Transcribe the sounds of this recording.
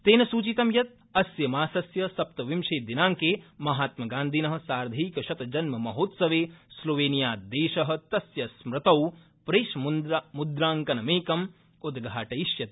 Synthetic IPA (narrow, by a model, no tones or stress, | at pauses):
t̪eːnɐsuːt͡ʃit̪ɐmjɐt̪̚ | ɐsjɐmaːsɐsjɐsɐp̚t̪ɐʋimʃeːd̪inaːŋkeːmɐɦaːt̪mɐɡaːnd̪ʱinɐɦɐ̆saːɾd̪ʱiːkɐʃɐt̪ɐd͡ʒɐnmɐmɐɦoːt̪sɐʋeːsloːʋeːnijaːd̪eːʃɐɦɐ̆t̪ɐsjɐsmɾɪt̪ɐw | pɾeːʃɐmmud̪ɾaːŋkɐnɐmeːkɐm | ud̪ɡʱaːʈɐiʃjɐt̪